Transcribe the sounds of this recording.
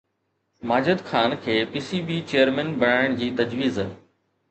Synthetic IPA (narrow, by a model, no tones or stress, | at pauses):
maːd͡ʑəd̪xʰaːnkʰeːpiːsiːbiːt͡ɕejəɾmɛnbɐɽaːɪɽ̃d͡ʑiːt̪ɐd͡ʑʋiːz